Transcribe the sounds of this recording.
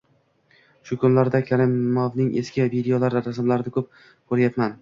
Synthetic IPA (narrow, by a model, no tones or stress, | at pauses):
ʃʊkʰʊnlaɾd̪akʲʰaɾɪmːɒvnɪŋeskʲɪvid̪ejolaɾɾasmlaɾɪnɪkʰɵp̚ | kʰoɾajat̪man